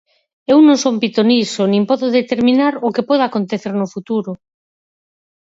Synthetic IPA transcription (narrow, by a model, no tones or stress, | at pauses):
ewnõŋsompit̪onisonĩmpɔðʊðet̪eɾmĩnaɾokepɔðakont̪eθeɾnʊfut̪uɾʊ